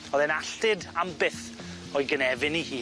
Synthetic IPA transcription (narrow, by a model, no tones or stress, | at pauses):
ɔðɛnaɬtɪdambɪθ | ɔɨɡənɛvɪnihiː